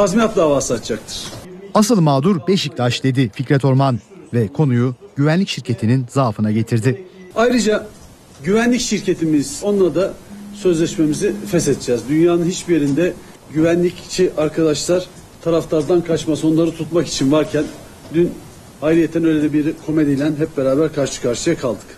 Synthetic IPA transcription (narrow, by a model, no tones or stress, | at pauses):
t̪ʰazmijat̪̚d̪aːvaːsɯat̪t͡ʃak̚t̪ʰɯ̥ɾ̥as̬ɯlˠmaːd̪uɾbɛʃic̚lʲaʃd̪e̞d̪ificɾɛt̪ʰo̞ɾman | vɛkʰo̞nujuɟ̥yvænlʲicʃiɾcʰe̞t̪ʰininzaːfɯnaɟe̞t̪ʰiɾd̪ɪajɾɯd͡ʒa | ɟyvænlʲicʃiɾcʰe̞t̪ʰimiz̥o̞nlˠaɾd̪asø̞zlʲɛʃme̞mizifɛsɛt̪̚d͡ʒɛzd̪ynjaːnɯnhit͡ʃbije̞ɾind̪ɛ | ɟyvænlʲict͡ʃʰiʔaɾkʰad̪aʃlˠaɾ | t̪ʰaɾaft̪ˠaɾd̪ankʰat͡ʃmaso̞nlˠaɾɯt̪ʰut̪maki̥t͡ʃʰinvaɾcʰæn | d̪yn | hajɾijet̪ʰːænø̞jlʲed̪ɛbiɾkʰo̞med̪elʲænɦɛp̚beɾaːbæɾkʰaɾʃɯ̥kʰaɾʃɯjakʰalˠd̪ɯ̥k